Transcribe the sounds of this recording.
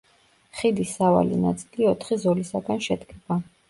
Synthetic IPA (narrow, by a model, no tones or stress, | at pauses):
χid̪isava̰lḭna̰t̪sʼiliɔt̪ʰχizɔlisaɡanʃɛd̪kʼʰɛb̥a